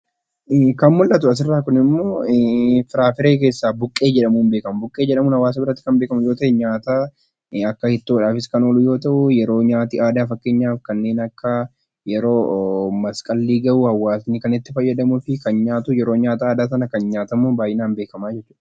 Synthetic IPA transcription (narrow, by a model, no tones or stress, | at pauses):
kɐnmʊlʔɐt̪ʊɐs̬ɪrːaːkʊnɪmːo̞ː | fɪɾaːfɪɾe̞ːk̬e̞ːsːaːbʊkʼːe̞ːd͡ʒɛᶑɐmuːnbeːkɐmʊbʊkʼːe̞ːd͡ʒɛᶑɐmuːnhɐwaːs̬ɐbɪɾɐt̪ːɪ̥kɐmbe̞ːkɐmʊjoːt̪ɐʔɪɲaːt̪aː | ɐkːɐhɪt̪ːoːᶑaːfɪskɐnoːlʊjo̞ːt̪ɐʔʊjɛɾo̞ːɲaːt̪iʔaːd̪aːfɐkːe̞ːɲːaːfkɐnːe̞ːnɐkːɐ | jɛɾo̞ːmɐskʼɐlːiːɡɐʔuːhɐwːaːsnɪkɐnɪt̪ːɪfɐjːɐd̪ɐmʊfɪkɐnɲaːt̪ʊjɛɾo̞ːɲaːt̪aaːd̪aːsɐnɐkɐnɲaːt̪ɐmːoːbaːjʔɪnaːnbeːkɐmaːd͡ʒɛt͡ʃːuːᶑɐ̥